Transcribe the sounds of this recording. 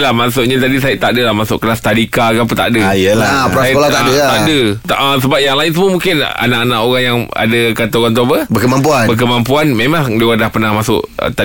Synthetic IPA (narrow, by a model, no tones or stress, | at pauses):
lahmasʊʔɲat̪adis̬ajɪt̪aʔdəlahmasʊ̰ʔkəlast̪adikakaput̪a̰ʔdəjəlapɾaakolat̪aʔdət̪aʔdət̪aʔəsəbap̚jaŋlaɪns̬əməmũŋkɪna̰naʔanãʔoɣaŋjaŋa̰dəkat̪ooɣaŋt̪obəbəkəmampuanbəkəmampuanmemãŋdewadahpənahmasʊ̰ʔə̰t̪a